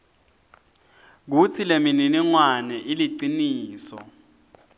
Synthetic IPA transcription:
k̬ut͡sʰilemininiŋwanɛʔiliǀiniːsɔ̰

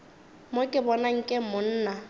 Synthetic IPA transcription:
mokʼɪbɔnaŋ̩kʼɪmʊn̩ːna

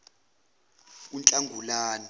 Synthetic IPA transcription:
unt͡ɬʼaŋɡʱulaːni

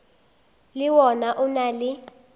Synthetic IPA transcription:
lɪwɔnaʔʊnalɪ

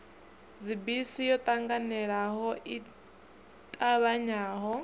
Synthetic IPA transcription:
zibisijɔt̪ʼaŋɡanɛɺaɦɔʔi | t̪ʼaβaɲaːɦɔ

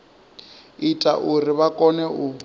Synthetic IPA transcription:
itʼaʔuriβakʼɔnɛu

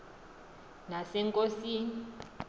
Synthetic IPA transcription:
nasɛŋkʼosin

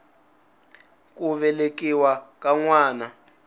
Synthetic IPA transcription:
kuβɛlek̬ʼiwakʼaŋwaːna

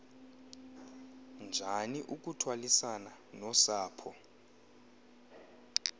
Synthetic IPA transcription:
nd͡ʒʱaniʔuk̬ʼutʰwalisananɔsaːpʰɔ

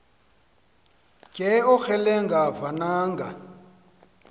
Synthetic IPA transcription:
kʼɛɔxɛlɛŋɡavanaːŋɡa

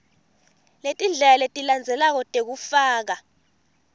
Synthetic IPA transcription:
letʼind͡ɮʱɛlaletʼiland͡zʱɛlak̬ɔtʼek̬ufaːk̬a

